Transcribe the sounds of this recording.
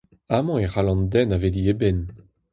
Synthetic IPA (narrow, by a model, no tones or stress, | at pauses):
amɑ̃eʁalɑ̃nd̪ɛnaveliebɛn